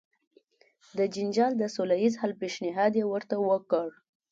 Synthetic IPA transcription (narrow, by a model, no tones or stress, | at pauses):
d̪əd͡ʒɪnd͡ʒɑld̪əsolajizhalpeʃnɪɦɑd̪jewəɾt̪awəkəɽ